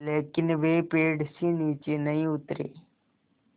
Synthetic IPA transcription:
leːkɪnʋeːpeːɖsĩːniːt͡ʃeːnəĩːʊt̪ɾḛː

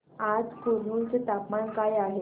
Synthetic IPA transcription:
ad͡zkuɾ̤uːnt͡set̪apmaɳkajaɦe

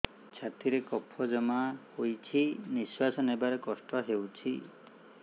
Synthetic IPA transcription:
t͡ʃʰat̪iɾekɔpʰɔd͡ʒɔmahojt͡ʃʰiniswasɔnebaɾekɔsʈɔɦewt͡ʃʰi

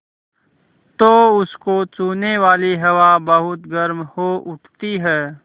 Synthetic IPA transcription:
t̪oːʊskot͡ʃuːneʋaːliɦɐʋabəɦʊt̪ɡəɾmhoʔʊʈʰt̪iɦɛː

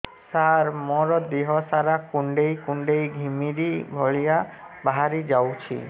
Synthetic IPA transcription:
saɾmɔɾɔd̪eɦɔsaɾakuɳɖejkuɳɖejɡʱimiɾibʱɔɭija | baɦaɾid͡ʒawt͡ʃʰḭ

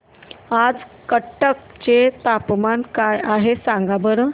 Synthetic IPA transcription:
ad͡zkəʈːək̚ | t͡ɕet̪apmankajaɦesãŋɡabəɾə

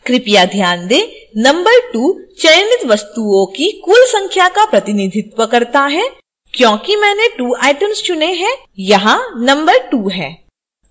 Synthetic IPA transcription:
kɾɪpijad̪ʱjaːnd̪eːnɐ̃mbəɾʈuːt͡ʃɐjənɪt̪ʋɐst̪uõkikuːlsɐ̃ŋkʰjakapɾɐt̪ɪnɪd̪ʱɪt̪wəkɐɾt̪aɦɛː | kjõːkimɛːneʈuːaːɪʈəmst͡ʃʊneɦɛ̃ː | jɐɦãnɐ̃mbəɾʈuːɦɛ̃ː

